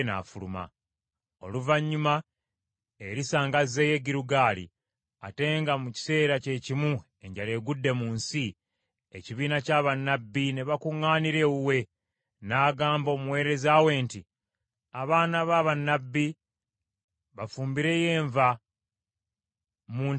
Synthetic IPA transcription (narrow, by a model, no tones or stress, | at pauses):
na̰ːfuluma̰ | o̞̰luvaɲːuma | eɾisaːŋɡaze̞je̞ɡiɾuɡaːlḭ | a̰te̞ːŋɡamuci̥se̞ːɾace̞cimu | e̞ɲɟale̞ːɡudːe̞muːnsi | e̞̰ciβiːnacaːβanːabːine̞βakuŋːaːniɾe̞wuwe̞ | naːɡaːmbo̞ːmuwe̞ːɾe̞zawe̞ːnti | aβaːnaβaːβanːabːi | βafuːmbiɾe̞je̞ːɱva | mun